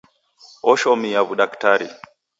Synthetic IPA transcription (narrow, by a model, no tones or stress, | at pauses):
ɔʃɔmijaβuɗaktaɾḭ